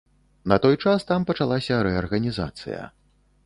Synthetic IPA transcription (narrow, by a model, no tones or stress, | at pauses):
nɐt̪ɔjt͡ʂast̪ampɐt͡ʂalˠasʲɐɾɛɐrɣɐnʲiza̰t̪sɨ̰jɐ̰